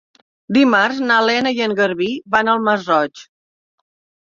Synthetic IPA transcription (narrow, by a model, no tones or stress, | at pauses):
d̪imarznalɛnəjəŋɡəɾβiβanəlˠməzrɔt͡ʃ